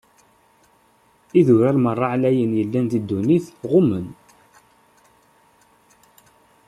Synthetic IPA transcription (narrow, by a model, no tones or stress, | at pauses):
iðʊɾælmərˤːɑʕlæjənjəlːænt̪id̪ːuniθʁʊmən